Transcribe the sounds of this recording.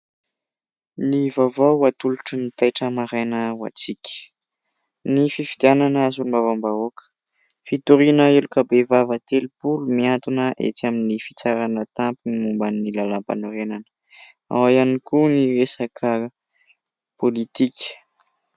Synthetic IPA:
nivavouat̪uluʈ͡ʂənit̪ajʈ͡ʂəmaɾanəwa̰t͡sikʲə̥ | nififid̪iananaazulumavambaokə̥ | fit̪uɾinəilukabevavət̪elipulumiant̪unəʔḛt͡saminifi̥t͡saɾanət̪ampinimumbanilalampa̰noɾenanə̥ | a̰wajanikuniɾesakʰə | polit̪ikʰʲə̥

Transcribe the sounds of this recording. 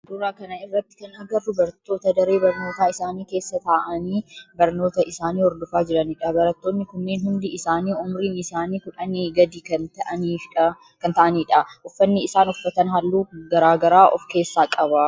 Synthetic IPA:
d̪ʊɾaːkɐnɐɪrːɐt̪ːɪ̥kɐnɐɡɐrdʊbɐɾt̪ːo̞ːt̪ɐd̪ɐɾe̞ːbɐɾnoːt̪aːɪsaːniːke̞ːsːɐt̪aːʔɐniːbɐɾno̞ːt̪ɐʔɪsaːniːhɔɾd̪ʊfaːd͡ʒɪɾɐnɪːᶑɐbɐɾɐt̪ːo̞ːnːɪkʊnːeːnɦʊnd̪ɪɪsaːniːʊmɾiːnɪsaːniːkʊᶑɐniɡɐd̪iːkɐnt̪ɐʔɐniː | kɐnt̪ɐʔɐniːᶑɐʔʊfːɐnːɪɪsaːnɔfːɐt̪ɐnɦɐlːuːɡɐɾaːɡɐɾaːʔɔfke̞ːsːaːkʼɐbɐ

